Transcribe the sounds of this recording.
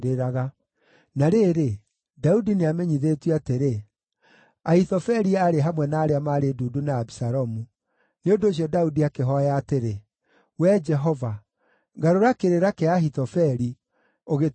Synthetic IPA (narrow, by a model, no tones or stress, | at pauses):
ɾeɾaɣa | naɾeɾe | daudineamɛɲiðetweateɾe | ahitɔfɛɾiaɾeɦamwɛnaːɾeamaɾeduːdunaːbisaɾɔmu | neondoːɕ̬jɔdaudiakeɦɔjaːteɾe | wɛd͡ʒɛɦɔva | ɡaɾoɾakeɾeɾakeahitɔfɛɾi | oɣe